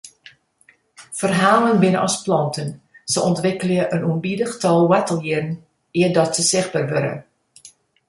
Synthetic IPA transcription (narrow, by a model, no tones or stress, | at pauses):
fərɦaːlənbɪnəʔɑsplɑntən | səʔɔntʋɪkəljəʔənuəmbidəxtɔlˠwatəlˠjirn̩ | iədɔtsəsɪxbəːrʋøɾə̰